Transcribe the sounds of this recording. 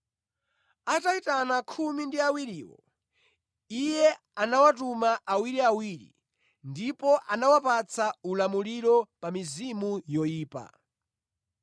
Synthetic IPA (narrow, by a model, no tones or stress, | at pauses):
ataitanakʰumindiawiɾiːwɔ̰ | ijɛ | anawatumaʔawiɾiawiɾḭ | ndipɔʔanawapat͡sʰaulamuliɾɔpamizimujɔjiːpa̰